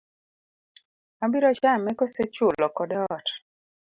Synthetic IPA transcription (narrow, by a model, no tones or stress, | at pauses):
abiɾɔt͡ʃamɛkoset͡ʃʊlɔkɔdɛɔt